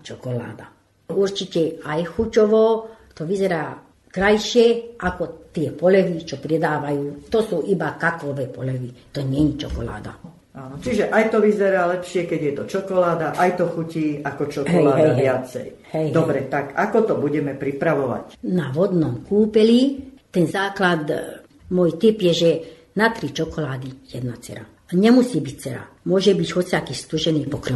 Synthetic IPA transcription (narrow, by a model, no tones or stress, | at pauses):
t͡ʃɔkɔla̰ːd̪a | uɾt͡ʃicɛajxucɔʋɔt̪ɔʋizɛɾaː | kɾajʃɪɛʔakɔt̪ɪɛpɔlɛʋit͡ʃɔpɾɛd̪aːʋajuːt̪ɔsuːʔibakaklɔʋɛpɔ̰lɛʋit̪ɔɲɛɲit͡ʃɔ̰kɔla̰ːd̪a̰ | aːnɔt͡ʃiʒɛʔajt̪ɔʋizɛɾaːlɛpʃɪɛkɛɟjɛt̪ɔt͡ʃɔkɔlaːd̪aʔajt̪ɔxuciːakɔt͡ʃɔkɔlaːdɦɛaʋɪat͡sɛ̰j | hɛjd̪ɔbɾɛt̪akakɔt̪ɔbuɟɛmɛpɾipɾaʋɔʋa̰cnaʋɔd̪nɔmkuːpɛlit̪ɛnzaːklad̪ | mɔjt̪ipjɛʒɛ | nat̪ɾit͡ʃɔkɔlaːd̪ijɛd̪nat͡sɛ̰ɾa̰ | ɲɛmusiːbict͡sɛɾa̰ | mʊɔʒɛbiɟɦɔt͡siakist̪uʒɛniːpɔkɾi